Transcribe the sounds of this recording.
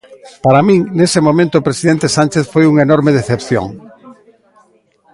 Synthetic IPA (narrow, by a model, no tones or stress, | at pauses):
paɾamĩŋnesemõmẽnt̪oːpɾesiðent̪esant͡ʃeθfojuŋenoɾmeðeθepθjo̰ŋ